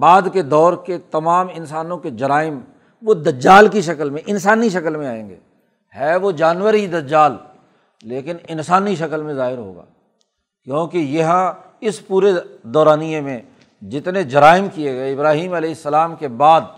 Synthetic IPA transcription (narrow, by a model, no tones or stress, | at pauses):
baːd̪ked̪ɔːɾket̪ɐmaːmɪnsaːnõked͡ʒɐɾaːɪm | ʋod̪ɐd͡ʒaːlkiʃɐkəlmẽʔɪnsaːniʃɐkəlmẽaːḛ̃ːŋɡḛː | hɛːʋod͡ʒaːnʋəɾɦid̪ɐd͡ʒaːl | leːkɪnɪnsaːniʃɐkəlmẽzaːɦɪɾɦo̰ːɡa̰ː | kjõːkejɐɦã | ɪspuːɾed̪ɔːɾaːnijemẽ | d͡ʒɪt̪ned͡ʒɐɾaːɪmkieɡɐeɪbɾaːɦiːmɐlɛːɪsːəlaːmkebaːd̪